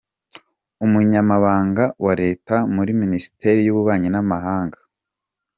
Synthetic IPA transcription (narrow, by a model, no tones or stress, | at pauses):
umuɲamaβaːŋɡawaɾe̞ːtamuɾiminisi̥te̞ɾijuβuβaːɲinamaɦaːŋɡḁ